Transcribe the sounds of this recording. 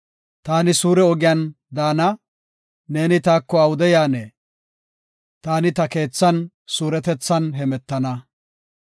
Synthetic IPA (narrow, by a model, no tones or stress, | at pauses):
t̪aːnɪsuːɾɛɔɡɪjan | d̪aːnɐ | ne̞ːnɪt̪aːkːɔɐwʊd̪ɛjaːneː | t̪aːnɪt̪ɐke̞ːt͡sːɐn | suːɾɛt̪ɛt͡sːɐnɦɛmɛt̪ːɐnɐ